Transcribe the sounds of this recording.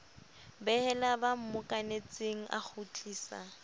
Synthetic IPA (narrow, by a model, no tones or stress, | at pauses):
bɛhɛlabam̩mʊkʼanet͡sʼeŋ̩ʔa̰k͡xʰut͡ɬʼiːsa̰